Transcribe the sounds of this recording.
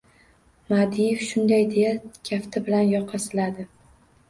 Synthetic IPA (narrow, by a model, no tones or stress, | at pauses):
mad̪ijefʃʊnd̪ajd̪ejakʲʰaft̪ʰabɪlanjɒqʰːɑsɪlad̪ɪ